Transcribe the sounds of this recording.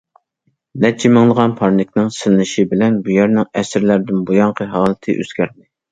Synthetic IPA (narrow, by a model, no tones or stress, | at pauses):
nɛt͡ʃʰimɨŋlˠəʁɑnpʰɑɾnɪkʲnɪŋsɪlnɪʃibɪlɛnbujæɾnɪŋɛsɪɾlæɾd̪ɪnbujɑɴqʰəɦɑːlˠɨt̪ʰɨ̰ʔø̰z̥ɡʲæɾd̪ɪ